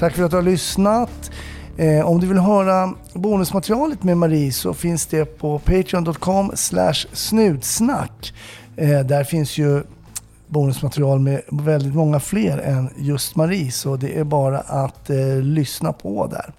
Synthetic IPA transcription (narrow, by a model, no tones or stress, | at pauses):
t̪ʰakːfœɾat̪d̪ɵhalʏsnat̪ | ɔmd̪ɵvɪlɦœːɾa | buːnɵsmat̪ɛɾɪɑːlət̪memaɾiːsɔ̰fɪnsd̪ɛpʰɔpʰɛjt̪ʰɾɪɔnd̪ɔt̪̚ːkʰɔmːslæ̰ʂsnʉ̟ːd̪sna̰kː | d̪æɾfɪnsjɵ | buːnɵsmat̪ʰɛɾɪɑːlmɛvɛld̪ɪt̪mɔŋːafleːɾɛnjɵst̪maɾiːsɔd̪ɛʔæɾbɑːɾa̰ʔat̪lʏsna̰pʰɔ̰d̪æ̰ɾ